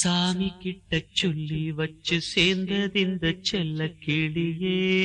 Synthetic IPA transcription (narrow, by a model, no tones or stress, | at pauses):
saːmikːiʈːɐt͡ʃːolːiʋɐt͡ʃːɨseːnd̪ɐðind̪ɐt͡ʃɛlːɐkiɭijeː